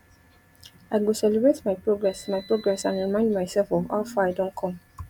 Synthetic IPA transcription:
aɪɡosɛlɛbɹetmaɪpɹoɡɹɛsmajpɹoɡɹɛsãnɹimãɪ̃ndmaɪsɛlfɔva̰ʊfaaɪdõntkʰɔ̃m

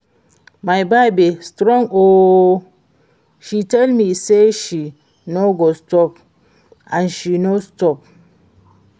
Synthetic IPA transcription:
majbaɪbistɾɔ̃ŋo | ʃitɛlmiseʃi | noɡostɔp | ãnʃinostɔp̚

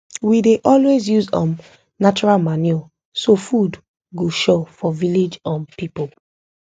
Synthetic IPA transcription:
wideʔɔlwezjuzɔ̰̃m | nat͡ʃuɹalmanɔ | sofud | ɡoʃofɔviled͡ʒãnpipol

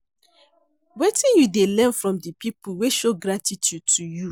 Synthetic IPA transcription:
wetĩnjudelɛ̃nfɹɔ̃mdəpipuweʃoɡɹatitjud̚tʰuju

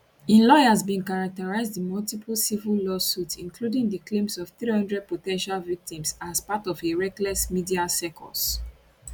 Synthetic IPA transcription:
ĩnlɔjazbĩnkaɹak̚təɹaɪzdəmɔltipʰəlsivəllɔsutĩŋkʰludĩŋdəklẽmsɔv̥θɹihʌ̃ndɹɛd̚potɛ̃nʃalvik̚tĩmsazpatɔveɹɛklɛsmidiasɛkʰɔ̰s

